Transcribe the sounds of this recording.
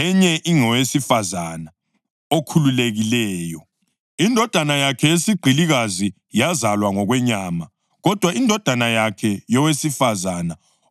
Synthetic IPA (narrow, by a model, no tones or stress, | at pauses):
ɛɲɛʔiŋɔwesifazana | okʰululeɣilɛːjɔ | indʱɔd̥ʱanajakʰɛjesiɡ͡ǃʱiliɣazi | jazalwaŋɔɣwɛɲaːma | ɣɔd̥ʱwaindʱɔd̥ʱanajakʰɛjɔwesifazana